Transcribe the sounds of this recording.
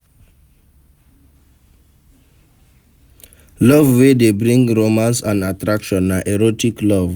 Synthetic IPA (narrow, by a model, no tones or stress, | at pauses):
lɔvwedebɹĩŋɹomãnsãnatɹakʃɔ̃nːaʔɛɹotiklɔv